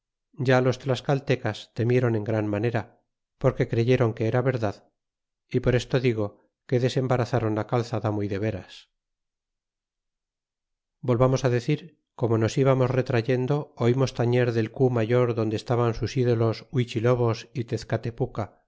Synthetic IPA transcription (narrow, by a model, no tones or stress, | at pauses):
ɟ͡ʝalo̞st̪ɾaskalt̪e̞kast̪e̞mje̞ɾo̞ne̞ŋɡɾanmane̞ɾa | po̞ɾke̞kɾe̞ʝe̞ɾo̞ŋke̞eɾaβe̞ɾðað | ipo̞ɾe̞st̪o̞ðiɣ̞o̞ | ke̞ðe̞se̞mbaɾaθaɾo̞nlakalθaðamoiðe̞βe̞ɾas | bo̞lβamo̞saðe̞θiɾ | ko̞mo̞no̞siβamo̞zre̞t̪ɾaʝe̞nd̪o̞ːimo̞st̪aɲe̞ɾðe̞lkumaʝo̞ɾðo̞nd̪est̪aβansusiðo̞lo̞swit͡ʃilo̞βo̞sit̪eθkat̪e̞puka